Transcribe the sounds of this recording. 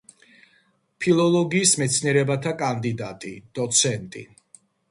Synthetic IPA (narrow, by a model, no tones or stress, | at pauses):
pʰilˠɔlˠɔɡiːsmɛt̪sʰniɛɾɛbat̪ʰakʼand̪id̪at̪ʼḭd̪̥ɔt̪sʰɛnt̪ʼḭ